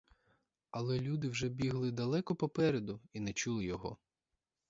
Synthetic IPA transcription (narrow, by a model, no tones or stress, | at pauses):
ɐlˠɛlʲud̪ɪwʒɛbʲiɦlˠɪd̪ɐlˠɛkɔpɔpɛɾed̪ʊinɛt͡ʃulˠɪjɔɦɔ̰